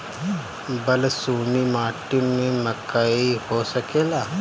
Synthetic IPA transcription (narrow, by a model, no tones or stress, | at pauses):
bɐlsuːnimaːʈinmẽmɐkaihoːsɐkeːlaː